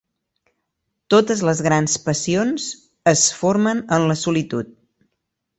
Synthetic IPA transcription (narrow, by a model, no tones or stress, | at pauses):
t̪ot̪əzləzɣɾanspəsionz | əsfoɾmənənləsulit̪ut̪̚